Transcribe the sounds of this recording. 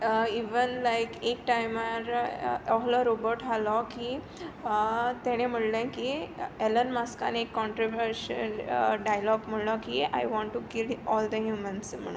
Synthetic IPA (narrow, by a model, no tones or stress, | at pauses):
iʋənlajkek̚ʈajmaɾɔɦlɔɾobəɾʈalɔki | t̪ɛɽ̃em̤əɽlãkielənmaska̰nekːɔɳʈɾoʋəɾɕə̰lɖajlɔkm̤əɽlɔkia̰jʋɔ̃ɳʈːukilɔld̪əɦjumənsm̤ə̰ɽ̃un